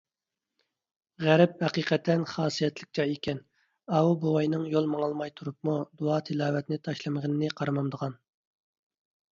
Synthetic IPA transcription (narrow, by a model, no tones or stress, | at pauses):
ʁæɾɛp̚hɛqiqɛt̪ʰːɛnχɑːsijɛt̪lɪk̚ʲt͡ʃɑjekʲʰɛn | ɑwubowɑjnɨŋjolˠmɑŋɑlˠmɑjt̪ʰuɾup̚mud̪uɑːt̪ʰɨlˠɑːwɛt̪nɪt̪ʰɑʃlˠɨməʁənɨnɪqʰɑɾɨmɑmd̪əʁɑn